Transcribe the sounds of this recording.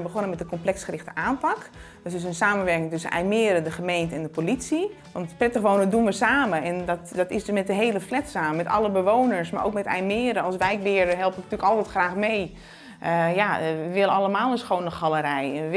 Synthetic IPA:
bəχonəmɛt̚dəkɔmplɛksχərɪxtəʔaːnpɑk | døsɪsənsaːmənʋɛrɹkɪŋtøsənʔɛ̰jmɪəɾədəχəmejntəɛndəpolitsi | ʋɑntprɛtəχʋoːwnədunʋəsaːməɛndɔtdɔtɪsdøsmɛt̚dəɦejləflɛtsaːmmɛtɑ̰lˠəbəʋoːnəɹsma̰ʔo̰wkmɛtɛ̰jmɪːɾəɑlˠsʋɛjkbɪːrəɦɛlˠpəntyːəkɔlˠtɛtχxraːxmej | ʔəjaəʋɪləɑləmaːlˠənsxownəxɑlˠəɾɛjɛə

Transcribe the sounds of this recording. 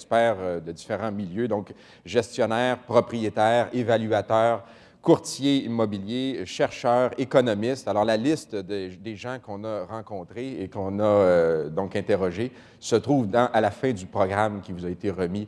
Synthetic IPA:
spɛːʁd̪əd̪ifeʁɑ̃miljød̪ɔ̃k | ʒɛst̪jɔnɛːʁpʁɔpʁijet̪ɛːʁevalyat̪œːʁ | kuʁt̪jeimɔbiljeʃɛʁʃœːʁekɔnɔmɪst̪alɔʁlalɪst̪d̪d̪eʒɑ̃kɔ̃naʁɑ̃kɔ̃t̪ʁeːkɔ̃nad̪ɔ̃kɛ̃t̪eʁɔʒe | sət̪ʁuːvd̪ɑ̃ʔalafɛ̃d̪ypʁɔɡʁamkʲivuzaet̪eʁəmi

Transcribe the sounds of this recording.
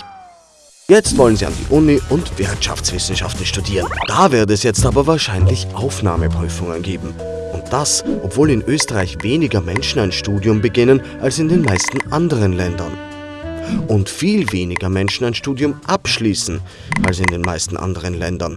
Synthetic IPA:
jɛt͡stv̥ɔlənziːa̰ndḭːʔʊniʔʊntv̥ɪɐtʃa̰ft͡sv̥ɪsn̩ʃa̰ftn̩ʃtudiːʁənd̥aːvɪɐdəɛsjɛt͡stʔaːbɐvaːɐʃaɪnlɪçʔaʊfna̰ːməpʁ̥yːfʊŋənɡeːbm̩ | ʔʊnt̚d̥asʔɔpv̥oːlɪnʔøːstəʁaɪçveːnɪɡɐmɛnʃn̩aɪnʃtuːdjʊmbəɡɪnən | ʔalsɪndeːnmaɪstn̩ʔandəʁ̞ənlɛndɐ̰n | ʔʊntfiːlveːnɪɡɐmɛnʃn̩aɪnʃtuːdjʊmʔapʃliːsn̩ | ʔa̰lsɪndeːnmaɪstn̩ʔa̰ndəʁ̞ənlɛndɐn

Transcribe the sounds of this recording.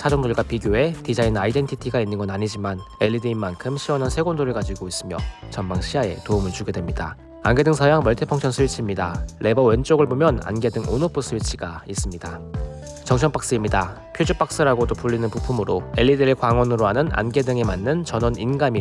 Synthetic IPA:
sʰad͡ʑʌŋdoɭɡwapiɡjoe̞tid͡ʑainaide̞ntʰitʰiɡainːɯnɡʌnaɲid͡ʑimane̞ʎːideimːankʰɯmɕʰiwʌnɦansʰe̞ɡondoɾɯɭkad͡ʑiɡois͈ɯmjʌ̰t͡ɕʌmmaŋɕʰiae̞̰toumɯɭt͡ɕuɡe̞dwemɲida̰ | a̰nɡe̞dɯŋsʰʌjaŋmʌɭtʰepʰʌŋt͡ɕʰʌnsʰɯɥit͡ɕʰimɲidaɭe̞bʌwe̞nt͡ɕ͈oɡɯɭbomjʌna̰nɡe̞dɯŋo̰nopʰɯsʰɯɥit͡ɕʰiɡais͈ɯmɲida | t͡ɕʌŋɕʰʌŋp͈aks͈ɯimɲida | pʰjod͡ʑup͈ak̚s͈ɯɾaɡodopuʎːinɯnpupʰumɯɾoe̞ʎːideɾekwaŋwʌnɯɾoɦanɯna̰nɡe̞dɯŋe̞manːɯnt͡ɕʌnʌninɡami

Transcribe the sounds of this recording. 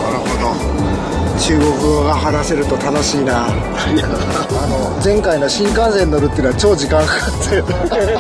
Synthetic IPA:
naɾɯ̟hod̪o | t͡ɕɨːɡo̞kɯ̟ɡaɦanase̞ɾɯ̟t̪o̞t̪ano̞ɕiːna | ano̞ | zẽ̞ŋkainoɕĩŋkãñseɲniːoɾɯt̪ːeɯnoat͡ɕo̞ːd͡ʑikãŋk | se

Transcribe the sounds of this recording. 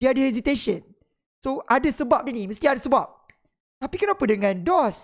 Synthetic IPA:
iadəhɛs̬it̪eʃə̃n | soʔadəsəbap̚diniməst̪iadəsəbap̚ | t̪apikɛnãpudəŋãndɔs

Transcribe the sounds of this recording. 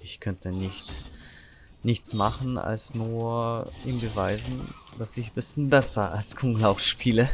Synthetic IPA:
ʔɪçkʰœntʰənɪçt | nɪçt͡smaχn̩a̰lsnuːɐɐʔiːmbəvaɪzn̩ | d̥asɪçbɪsçn̩bɛsɐa̰lskʰʊŋlaʊfʃpʰiːlə

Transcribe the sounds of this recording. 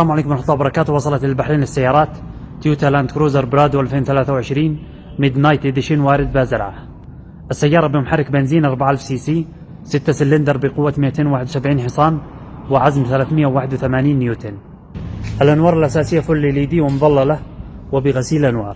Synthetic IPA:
slaːmʕaleːkʊmɪnħʊt̪ˤːɑːbɑɾˤɑkaːt̪wɑsˤɑlɑt̪lɪlbaħɾiːnlɪsːajːɑːɾˤɑːt̪ː | juːt̪aland̪kɾuːzɑɾˤbɾɑːd̪wʔalfeːnθalaːθawʕɪʃɾiːn | mɪd̪najt̪ɪd̪ʃiːnwaːɾɪd̪̚bazɪɾˤʕa̰ | ʔɪsːajːɑːɾˤɑbɪmʊħarˤːɪkbɪnziːnʔɑɾˤbaʕaʔalfsiːsiː | sɪt̪ːasɪlːɪnd̪ɑɾˤbɪqʊwːat̪mɪʔat̪eːnwaːħɪd̪wsabʕiːnħɨsˤɑːn | wɪʕazmθalaːθmɪjːawaːħɪd̪wθamaːniːnːjuːt̪ʰeːn | ʔalʔanwɑːɾˤɪlʔasaːsɪjːafʊlːiliːd̪iːwɪmʊðˤɑlːɑlawɪbɪɣasiːlʔanwɑ̰ːɾˤ

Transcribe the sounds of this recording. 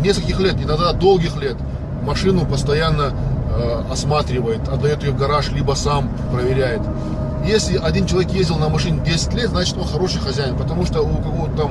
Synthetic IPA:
nʲe̞skəlʲkʲɪxlʲe̞t̪ɪnɐɡd̪ad̪o̞lˠɡʲɪxlʲe̞t̪ | mɐʂɨnʊpəst̪ɐjanːə | ɐsmat̪ɾʲɪvəjɪt̪ɐd̪ːɐjo̞t̪ɪjoɡɐɾaʂlʲibəsam | pɾəvʲɪɾʲæjɪt̪ | jesʲlʲɪʔɐdʲint͡ɕɪlˠɐvʲekjezʲdʲɪlˠnəmɐʂɨnʲɪdʲesʲɪ̥tʲlʲet̪znat͡ɕɪ̥t̪onxɐɾo̞ʂɨjxɐzʲæjɪnpət̪ɐmuʂt̪əukɐvot̪ːam

